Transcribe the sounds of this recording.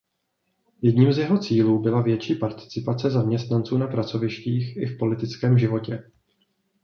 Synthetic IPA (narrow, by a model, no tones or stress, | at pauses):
jɛdɲiːmzjɛɦo̞t͡siːluːbɪlavjɛt͡ʃiːpaɾt̪ɪ̥t͡sɪpat͡sɛzamɲɛst̪nant͡suːnapɾat͡so̞vɪʃciːxʔɪfpo̞lɪt̪ɪt͡skɛːmʒɪvo̞cɛ